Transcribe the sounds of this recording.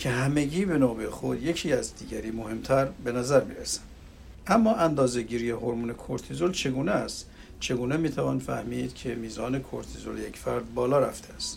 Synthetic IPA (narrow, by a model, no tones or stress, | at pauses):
cʰe̞ɦæme̞ɟiːbe̞noːbexod̪je̞cʰiːæzd̪iːɟæɾiːmo̞he̞mt̪ʰæɾbe̞næzæɾmḭːɾæsæ̥n | æmːɒːʔænd̪ɒːze̞ɟiːɾijeɦoɾmuːne̞kʰoɾt̪ʰizolt͡ʃʰe̞ɡuːneæst̪ | t͡ʃʰe̞ɡuːne̞miːt̪ʰævɒːnfæ̰hmid̪̥cʰe̞miːzɒːne̞kʰo̰ɾt̪ʰizo̰ljecfæɾd̪bɒːlɒːɾæft̪ʰeæst̪